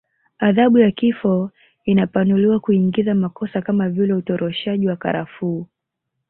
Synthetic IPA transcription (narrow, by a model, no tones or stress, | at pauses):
aðaɓujakifɔ | inapanuliwakuiŋɡizamakɔsakamavilɛutɔɾʔɔʃaʄiwaka̰ɾafuː